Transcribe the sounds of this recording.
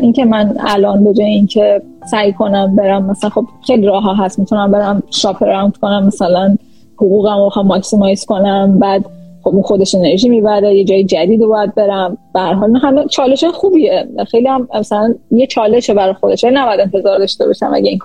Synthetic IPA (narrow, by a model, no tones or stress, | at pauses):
ʔincʰe̞mænæ̰lɒːnbe̞d͡ʒɒːjeincʰe | sæjkʰo̞næmbe̞ɾæmːæsælænxo̞b̥xejliɾɒːɦɒɦæst̪mit̪ʰunæmbe̞ɾæmʃɒpʰeɾænt̪konæmːæsælæn | hoɣuːɣæmoxæːɒksimɒjsko̞næmbæːd̪χobunxo̞d̪eʃe̞neɾʒiːmibæɾejed͡ʒɒːjed͡ʒæd̪iːd̪ebɒːjæd̪̚be̞ɾæmb̥æhæɾɦɒlinɑɦæmet͡ʃʰɒːle̞ʃɒːjexuːbiexejliæmæsælænjet͡ʃʰɒːle̞ʃebæɾɒjxod̪eʃælinæbɒjæd̪e̞nfe̞zɒːɾd̪ɒʃt̪ebɒ̰ʃæ̰mæ̰ɟæinkʰ